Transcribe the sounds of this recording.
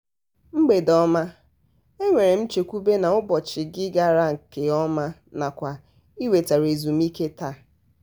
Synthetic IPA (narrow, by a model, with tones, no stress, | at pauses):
ŋ͡m̩˦ɡ͡be˨dɔ˦ma˦ | e˦ŋʷe˨ɾe˨m̩˦t͡ʃe˨kʷu˦be˦na˨ʊ˦bɔ˨t͡ʃɪ˨ɡɪ˦ɡa˦ɾa˦ŋ̩˨ke˨ɔ˦ma˦ | na˨kʷa˨ | i˦we˨ta˨ɾe˨zu˨m̩˦i˦ke˦ta˦